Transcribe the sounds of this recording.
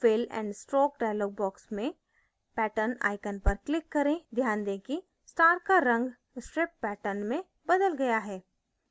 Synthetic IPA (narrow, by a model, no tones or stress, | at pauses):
fɪlɛ̰̃ːɳɖsʈɾoːk̚ɖaːjloːɡ̚bɔːksmẽ | pɛːʈəɾna̰ːɪkənpɐɾklɪkːɐɾẽd̪ʱjaːnd̪eki | sʈ̪aːɾkaɾɐ̃ŋɡ | sʈɾɪpːɛːʈəɾnmẽ | bɐd̪əlɡɐjaɦɛː